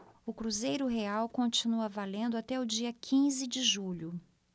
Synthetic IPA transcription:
ʊkɾuzejɾʊɦeawkõt͡ʃinuɐvalẽnd̪ʊat̪ɛʊd͡ʒiɐkʰĩzɪd͡ʒɪʒuʎʊ

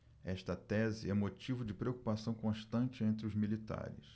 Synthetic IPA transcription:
ɛʃt̪ɐt̪ɛzɪɛ̃mot͡ʃivʊd͡ʒɪpɾeoku̥pasɐ̃w̃kõʃt̪ɐ̃nt͡ʃɪẽnt̪ɾɪʊzmilit̪a̰ɾɪ̰s

